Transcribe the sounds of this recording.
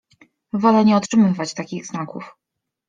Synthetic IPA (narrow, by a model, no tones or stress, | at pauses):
vɔlɛɲɛɔtʂɘmɘvat͡ɕt̪akʲiɣznakṵf